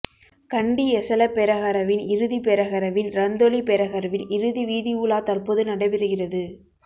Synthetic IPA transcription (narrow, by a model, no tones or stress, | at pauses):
kɐɳɖiɛsɐlɐpːɛɾɐɣɐɾɐʋɪnɪɾɯðipɛɾɐɣɐɾɐʋɪnɾɐnd̪ɔlipɛɾɐɣɐɾɐʋɪnɪɾɯðiʋiːðiuɭaːt̪ɐrpoːðɯnɐɽɐɪʋɪɾɯɣɪrɐðɯ